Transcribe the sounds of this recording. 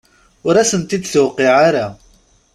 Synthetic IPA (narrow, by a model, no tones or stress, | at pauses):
ʊɾæsənt̪id̪θəwqeʕaɾa